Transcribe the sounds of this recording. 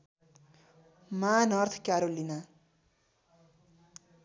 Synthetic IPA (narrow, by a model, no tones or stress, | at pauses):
manʌrt̪ʰkjaɾolːina